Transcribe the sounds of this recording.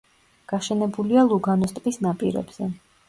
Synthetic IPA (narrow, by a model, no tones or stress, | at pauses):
ɡ̥aʃɛnɛbulialˠuɡanɔst̪ʼpʼisnapʼḭɾɛ̰bz̥ɛ